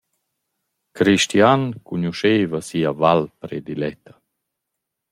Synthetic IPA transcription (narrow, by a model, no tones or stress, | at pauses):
kɾiʃtiankuɲuʃeːvasiːavalpɾed̪ilɛt̪ːḁ